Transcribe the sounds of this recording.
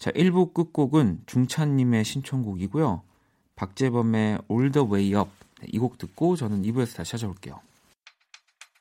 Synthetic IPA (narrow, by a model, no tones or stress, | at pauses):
t͡ɕa̰ʔiɭbuk͈ɯk̚k͈oɡɯnt͡ɕuŋt͡ɕʰaɲːime̞ɕʰint͡ɕʰʌŋɡuɡiɡojo | pak̚t͡ɕ͈e̞bʌme̞oɭdʌwe̞iʌp̚ | nḛʔiɡok̚t͈ɯk̚k͈ot͡ɕʌnɯnibue̞sʰʌtaɕʰihad͡ʑʌboɭk͈e̞jo̰